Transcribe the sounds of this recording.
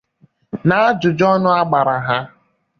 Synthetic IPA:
na˨˦d͡ʒʊ˨d͡ʒɔ˦nʊ˦a˦ɡ͡ba˨ɾa˨ɦa˦

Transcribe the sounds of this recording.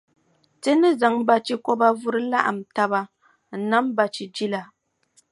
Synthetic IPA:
tɨ˦nɨ˦za˨ŋba˦t͡ʃi˦kɔ˦ba˦vʊ˦ɾɨ˦la˦ʔa̰˨m̩˨ta˦ba˦ | n̩˨na˦m˦ba˨t͡ʃi˨d͡ʒi˦la˨

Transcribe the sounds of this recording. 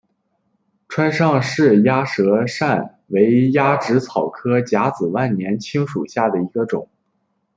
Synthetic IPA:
ʈ͡ʂʰwa˥nʂɑ˥˧ŋʂɻ̩˥˩ja˥ʂɤ˧˥ʂa˥˩n | we˧˥ɪja˥ʈ͡ʂɻ̩˧˥t͡sʰɑ˨˩ʊkʰɤ˥t͡ɕja˧˥t͡sɹ̩˨˩wa˥˩nnjɛ˧˥nt͡ɕʰi˥ŋʂṵ˨˩ɕja˥˩d̪ə˩i˧˥ɡə˧ʈ͡ʂʊ̰˨˩˦ŋ

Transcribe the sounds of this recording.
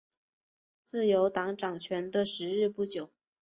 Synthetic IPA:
t͡sɹ̩˥˩jo˧˥ʊt̪ɑ˧˥ŋʈ͡ʂɑ˨˩ŋt͡ɕʰɥɛ˧˥nd̪ə˧ʂɻ̩˧˥ɻɻ̩˥˧pu˥˩t͡ɕjo˨˩˦ʊ

